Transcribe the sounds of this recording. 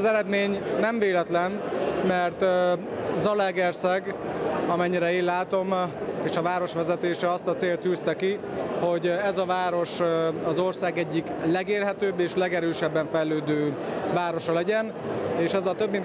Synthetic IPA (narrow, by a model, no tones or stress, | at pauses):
zɛɾɛd̪meːɲnɛɱveːlɛt̪lɛnmɛrt̪ | zɒlɛɡɛrsɛɡɒmɛɲːiɾɛeːlaːt̪o̞meːʃɒvaːɾo̞ʃʋɛzɛt̪eːʃɛɒst̪ɒt̪seːlt̪jyːst̪ɛki | ho̞ɟɛzɒvaːɾo̞ʃɒzo̞rsaːɡɛɟːiklɛɡeːlɦɛt̪øːbːeːʃlɛɡɛɾøːʃɛbːɛɱfɛjløːd̪øːvaːɾo̞ʃɒlɛɟɛn | eːʃɛzɒt̪øbːin